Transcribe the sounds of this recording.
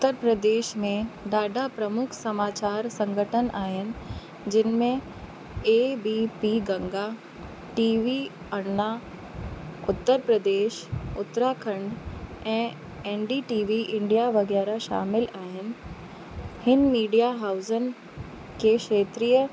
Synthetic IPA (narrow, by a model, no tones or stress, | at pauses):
ʊt̪ːəɾpɾəd̪eːʃmẽd̪aːɖʱapɾɐmʊkʰsɐmaːt͡ɕaːɾsɐ̃ŋɡʱəʈʰənaːɦɪnɪ̆ | d͡ʑɪnmẽ | eːbiːpiːɡɐ̃ŋɡa | ʈiːʋi | ɐɾna | ʊt̪ːəɾpɾəd̪eːʃʊt̪ɾakʰə̃ɳɖɛ̃ː | eːnɖiʈiːʋiʔɪ̃ɳɖijaʋɐɡɛːɾaʃa̰ːmɪlaːɦɪnɪ̆ | hɪnmiːɖijaɦaːʊzənɪ̆ | keʃeːt̪ɾijə